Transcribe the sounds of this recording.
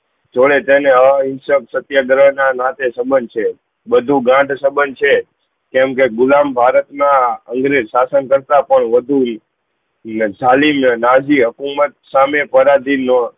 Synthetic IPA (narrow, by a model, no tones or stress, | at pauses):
d͡ʒoɭet̪eneəɪnsəksət̪jəɡɾəɦnanat̪esəbənt͡ʃʰe | bəd̪ʱũɡãʈsəbənt͡ʃʰe | kɛmkeɡʊlambʱaɾət̪naəŋɡɾesasənkəɾt̪apəɳʋəd̪ʱu | d͡ʒalimnad͡ʒiɦəkumət̪̚samepəɾad̪ʱinːo